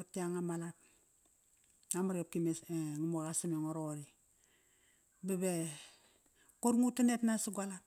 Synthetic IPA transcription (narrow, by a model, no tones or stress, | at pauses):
utiaŋamalap̚ | amaɾop̚kimeŋimokasimoŋoɾoɾi | bebe | koɾŋutinetnasiɡʷalap̚